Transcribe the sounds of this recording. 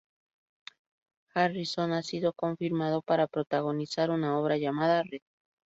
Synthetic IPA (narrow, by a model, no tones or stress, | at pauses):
xariso̞nasiðo̞ko̞ɱfiɾmað̞o̞paɾapɾo̞t̪aɣ̞o̞nisaɾunao̞βɾaʝamaðareð